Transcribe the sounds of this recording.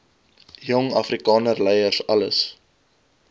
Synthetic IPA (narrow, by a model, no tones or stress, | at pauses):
jɔŋɐfrikɑːnərlɛjərsɐləs